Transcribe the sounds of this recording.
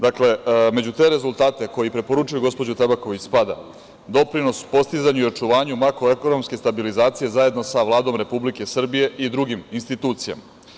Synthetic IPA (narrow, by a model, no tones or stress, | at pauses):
d̪akle̞me̞d͡ʑut̪e̞ɾe̞zulˠt̪aːt̪e̞ko̞jipɾe̞po̞ɾut͡ʃujuɡo̞spo̞d͡ʑut̪ebako̞ʋit͡ɕspad̪a̰ | d̪o̞pɾino̞su̥po̞st̪izaɲuio̞t͡ʂuʋaːɲumakɾo̞eko̞no̞mske̞st̪abilizaːt̪sije̞zaje̞d̪nosaʋlˠaːd̪o̞mɾe̞publike̞sr̩bije̞ʔid̪ɾuɡiminst̪it̪uːt̪sija̰ma